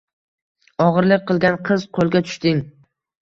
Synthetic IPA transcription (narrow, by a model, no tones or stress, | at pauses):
ɒʁɨɾlɪk̚ʲqɨlˠɡʲanqʰɨz̥qʰolˠɡʲat̪ʰʊ̥ʃt̪ɪŋ